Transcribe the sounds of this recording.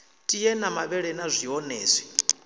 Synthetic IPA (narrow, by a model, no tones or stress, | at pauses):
tʼijɛnamaβɛɺɛnazʷiɔnɛːzʷɛ̥